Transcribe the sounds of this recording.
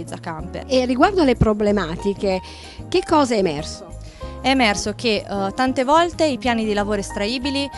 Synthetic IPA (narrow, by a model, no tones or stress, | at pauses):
d̪zakamperːiɡward̪oalːepɾoblemaːt̪ike | kekːɔːzɛːmɛ̰rso | ɛːmɛrsok̟et̪ant̪evɔlt̪eipjaːnid̪ilavoːɾoest̪ɾaiːbili